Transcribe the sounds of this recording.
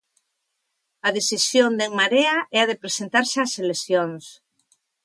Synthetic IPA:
ɐðesisjond̪eŋmaɾeɐʔɛɐð̞epɾesent̪aɾsaseleθjoŋs

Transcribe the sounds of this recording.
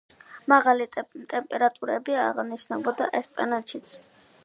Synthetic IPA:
maʁalit̪ʼɛmpʼɛɾat̪ʼuɾɛbiaʁniʃnɛbɔd̪a̰ʔɛspʼa̰nat̪ʃit̪sʰ

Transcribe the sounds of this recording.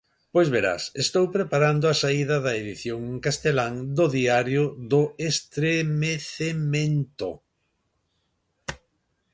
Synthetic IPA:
pojzβeɾa̰sest̪owpɾepaɾand̪ʊasaiðɐðɐeðiθjoŋkast̪elaŋd̪ʊðiaɾjʊðʊest̪ɾemeθemẽnt̪o̰

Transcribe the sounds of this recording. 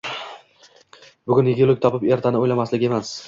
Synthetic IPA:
bʊɡʲʊnjɪɡʲɪlˠɪk̚ʲt̪ʰɒpɪpe̞ɾt̪ʰanɪojlamaslɪɡʲɪe̞mas

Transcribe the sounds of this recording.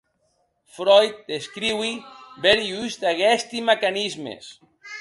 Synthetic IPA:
fɾɔjt̪̚d̪eskɾiwibeɾiyst̪aɣɛst̪imakanizmḛs

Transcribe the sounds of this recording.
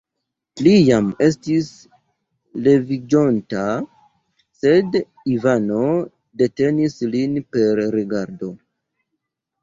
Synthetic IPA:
lijame̞stis | le̞vid͡ʒo̞nta | se̞d | ivano̞ | de̞te̞nislinpe̞ɾɾeɡaɾdo̞

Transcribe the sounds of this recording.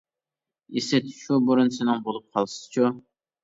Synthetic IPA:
isɪt̪ʰʃubuɾʊnsɪnɪŋbolˠup̚qʰɑlˠsɨ̥z̥t͡ʃʰu

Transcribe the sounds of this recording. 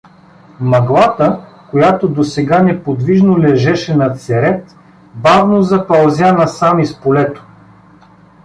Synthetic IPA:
mɐɡlˠat̪əkojat̪od̪osɛɡanɛpod̪viʒnolɛʒɛʃɛnɐt̪sɛɾɛt̪ | bavnozɐpɐlˠzʲjanɐsamispolɛt̪o̥

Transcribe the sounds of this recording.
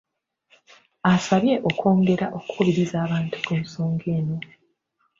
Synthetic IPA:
asaβje̞ʔo̞kʰo̞ːŋɡe̞ɾaʔo̞kukuβiɾizaːβaːntʰu̥kumuso̞ːŋɡe̞ːno

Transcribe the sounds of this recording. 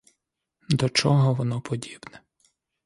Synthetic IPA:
d̪ɔt͡ʃɔɦɔʋɔnɔpʰɔdʲib̥nɛ

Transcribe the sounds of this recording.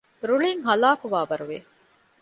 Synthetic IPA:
ɾuɭiŋɦɐlaːkuʋaːʋɐɾuʋe

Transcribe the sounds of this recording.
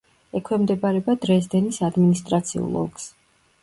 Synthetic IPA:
ɛkʰwɛmd̪ɛbaɾɛbad̪ɾɛzd̪ɛnisad̪minist̪ʼɾat̪sʰiṵlˠɔ̰ɡs

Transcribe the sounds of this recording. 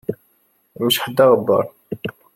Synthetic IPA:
məʃħəd̪ːaɣəbːɑ̰ɾˤ

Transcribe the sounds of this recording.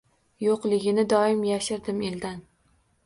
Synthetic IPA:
joqlˠɪɡʲɪnɪd̪ɒɪmjaʃɪɾd̪ɪmeld̪an

